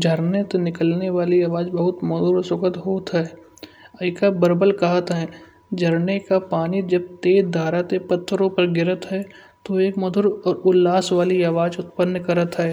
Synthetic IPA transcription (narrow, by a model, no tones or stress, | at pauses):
d͡ʒʱəɾnet̪onɪkəlneʋaːliaːʋaːd͡ʒbəɦʊt̪mɔd̪ʊɾsʊkət̪ɦoːt̪ɦɛː | ɐɪkabəɾbəlkɐɦət̪ɦɛː | d͡ʒʱəɾnekapaːnid͡ʒɐb̚t̪eːd̪ʱaːɾat̪epɐt̪ʰːɾõpəɾɡɪɾət̪ɦɛː | t̪oeːkmɔd̪ʊɾɔːɾʊlːaːsʋaːliaːʋaːd͡ʒʊt̪̚pənːkɐɾət̪ɦɛː